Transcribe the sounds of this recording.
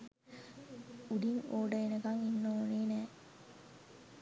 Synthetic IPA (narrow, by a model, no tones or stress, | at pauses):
uɖiŋoːɖɐenəɡɐŋinːoːneːnɛː